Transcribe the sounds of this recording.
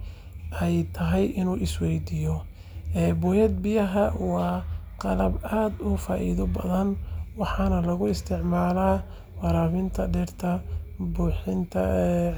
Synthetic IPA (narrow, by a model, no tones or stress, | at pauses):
ʔɛjt̪ʰɐɦɛjʔɪnuːʔɪswɛjd̪ijɔ | ɛːbɔːjɛd̪̚bɪjɐɦɐwɑːqɑlɐbaːd̪ʊfaːʔḭːðʊbɐðɐnwɑħɑnɐlɐɣʊɪst̪ʰɪʕmaːlaː | wɑɾaːβɪnt̪ʰɐɖɛrt̪ʰɐbuːħɪnt̪ʰɐ̰